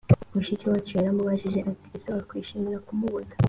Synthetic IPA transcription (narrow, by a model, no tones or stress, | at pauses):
muʃicowat͡ʃeɾamuβaʃiʒeʔatiisaakwiʃimiɾakumuβunḁ